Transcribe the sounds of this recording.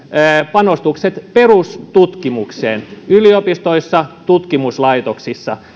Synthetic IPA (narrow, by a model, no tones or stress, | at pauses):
əpɑnost̪ukset̪perust̪ut̪kimuksḛːnyliopist̪oisːɑt̪ut̪kimuslɑit̪oksisːɑ